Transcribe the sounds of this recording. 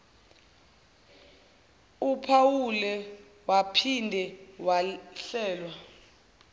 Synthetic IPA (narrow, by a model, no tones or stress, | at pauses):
upʰawulɛ | wapʰindʱɛwaɬɛːlwa